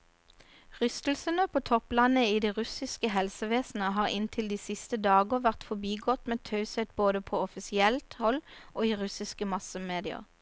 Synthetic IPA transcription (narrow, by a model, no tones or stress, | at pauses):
ʁʏst̪lsənəpʰoːt̪ʰɔplɑnəiːd̪iːʁʉsɪskəɦɛlsəʋeːsn̩əɦɑːʁɪnt̪ʰɪld̪iːsɪst̪əd̪ɑːɡəʋæʁt̪fɔbiːɡɔt̪meːt̪ʰɑʉsɛt̪̚boːd̪əpʰoːɔfɪsɪɛlt̪hɔlʔoːiːʁʉsɪskəmɑsəmeːd̪ɪə̰ʁ